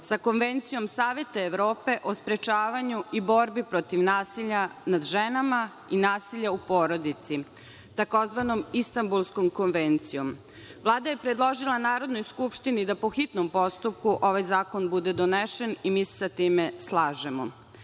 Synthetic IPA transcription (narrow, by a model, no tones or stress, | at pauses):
sako̞nʋent̪sijo̞msaːʋe̞t̪aeʋɾo̞ːpe̞ʔo̞spɾet͡ʃaːʋaɲuibo̞ɾbipɾot̪iʋnaːsiʎanad̪ʒenama | inaːsiʎaupo̞ːɾo̞d̪it̪si | t̪ako̞zʋano̞mist̪ambulˠskomko̞nʋent̪sijo̞m | ʋlˠaːd̪aje̞pɾed̪lˠo̞ʒilˠanaːɾo̞d̪nojskupʃt̪inid̪apo̞xit̪nompost̪up̚kuʔo̞ʋajzaːkonbud̪ed̪oneʃenimiːse̥sat̪iːmeslˠaːʒemo̰